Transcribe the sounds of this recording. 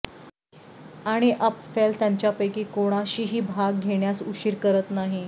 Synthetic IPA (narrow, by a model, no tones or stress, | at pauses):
aɽ̃iʔəpfelt̪jaɲt͡ɕjapəjkiːkoɽ̃aɕiːɦiːbʱaɡ̚ɡʱeɽjasuɕiːɾkəɾət̪naɦi